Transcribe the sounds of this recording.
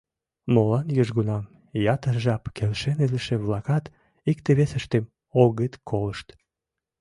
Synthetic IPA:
molɑnjyʒɣunɑm | jɑt̪ərʒɑpkʰelʃeniləʃeβlɑkɑt̪ | ik̚t̪eβesəʃt̪em | oɣət̪kʰoləʃt̪

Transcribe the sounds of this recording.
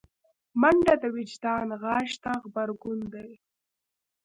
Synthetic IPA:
maɳɖad̪awɪd͡ʒd̪ɑːnɣɑːʃt̪axbaɾɡʊnd̪aj

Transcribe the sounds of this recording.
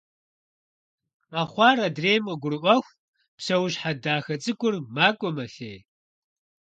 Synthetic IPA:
qɐχʷɑːɾɐdreːjmqəɡʷʊrɨʔʷɐxʷ | psɐwɕħadaːxɐt͡sʼɨkʷʊrmaːkʷʼɔmɐɬeː

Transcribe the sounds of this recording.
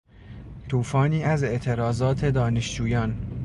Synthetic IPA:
t̪ʰuːfɒːniːæze̞ʔt̪ʰe̞ɾɒːzɒːt̪ʰe̞d̪ɒːne̞ʃd͡ʒuːjɒːn

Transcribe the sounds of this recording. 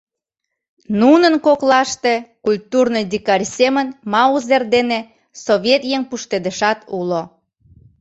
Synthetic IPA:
nunənkoklɑʃt̪ekulʲt̪urnojd̪ikɑrʲsemənmɑuzerd̪ene | soβʲet̪jeŋpuʃt̪ed̪əʃɑt̪ulo

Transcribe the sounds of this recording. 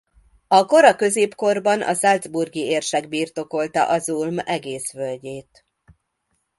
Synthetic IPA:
ɒko̞ɾɒkø̞zeːpko̞rbɒnʔɒ̰zɒld̪zburɡieːrʃɛɡbiːrt̪o̞ko̞lt̪ɒ̰ʔɒzulmɛɡeːsʋølɟeːt̪

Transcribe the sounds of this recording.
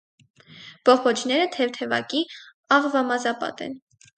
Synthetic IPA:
b̥ɔχɔt͡ʃʰnɛɾət̪ʰɛvt̪ʰɛvɑ̰ki | ɑʁvɑmɑzɑpɑ̰t̪ɛ̰n

